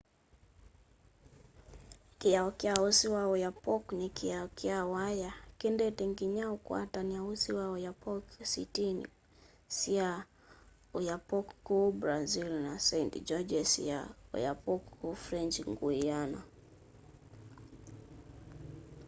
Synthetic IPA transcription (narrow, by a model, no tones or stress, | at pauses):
kijaɔkiausiwaɔjapɔknikiaɔkiawajakɛndɛtɛŋɡiɲaukwa̰taniausiwaɔjapɔksḭtinḭ | sia | ujapɔkkubɾazilnasɛjntd͡ʒɔd͡ʒɛsḭa̰ɔ̰japɔkkufɾɛnd͡ʒiŋɡuijana̰